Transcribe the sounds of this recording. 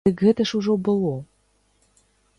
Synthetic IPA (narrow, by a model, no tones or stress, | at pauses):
əkɣɘ̆t̪ə̆ʃuʒobə̆lˠo